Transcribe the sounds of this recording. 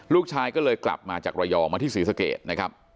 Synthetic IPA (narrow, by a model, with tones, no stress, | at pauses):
luː˥˩k̚t͡ɕʰaː˧jkɔː˥˩lɤː˧jkla̰˨˩p̚maː˧t͡ɕaː˨˩k̚ɾaː˧jɔː˧maː˧t̪ʰiː˥˩siː˩˦sa˧kḛː˨˩t̪̚na˦kʰɾa˦˥p̚